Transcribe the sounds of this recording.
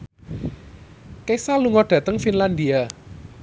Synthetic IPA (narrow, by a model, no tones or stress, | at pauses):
kesaluŋɔɖ̥ä̤t̪əŋfinland̪ia